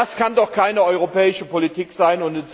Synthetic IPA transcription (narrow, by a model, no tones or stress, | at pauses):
askʰandɔχkʰaɪnəɔʏʁopɛːɪʃəpolitʰiːkz̥aɪnʊntət͡s